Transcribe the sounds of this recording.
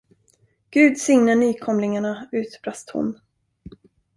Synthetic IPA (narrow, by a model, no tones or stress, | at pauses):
ɡ̥ʉ̟ːd̪sʏŋnaɳyːkʰɔmlɪŋaɳaʉ̟ːt̪bɾast̪hʊ̰n